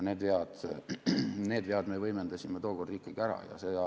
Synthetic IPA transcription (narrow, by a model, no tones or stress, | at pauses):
neːd̪veɑd̪̥ | neːd̪veɑd̪mevɤjmend̪ɑsʲimet̪o̞ːɡ̥ord̪riːkːˑiɡ̥æɾɑ̰jɑ̰seɑ